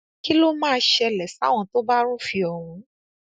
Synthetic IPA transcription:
ki˦lo˦mãː˦˧ʃɛ˧lɛ˨sa˨˦w̃ɔ̃˧to˦ba˦ɾ̃ũ˦fi˧ɔ˨wũ˨˦

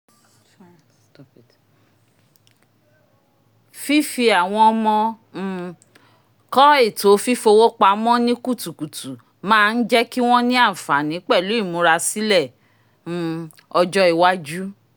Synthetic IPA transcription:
fi˦fi˧a˨w̃ɔ̃˧ɔ˧mɔ̃˧˦ | kɔ˦e˦˨to˨˦fi˦fo˧wo˦k͡pa˧mɔ̃˦nĩ˦ku˦˨tu˨ku˨tu˨ | mãː˦˧n̩˦d͡ʒɛ˦ki˦w̃ɔ̃˦nĩ˦a˦˨fa˨nĩ˨˦k͡pɛ˦˨lu˨˦i˦˨mõ˨˦ɾa˧si˦lɛ̃˦˨˦ | ɔ˧d͡ʒɔ˦i˧wa˦d͡ʒu˦

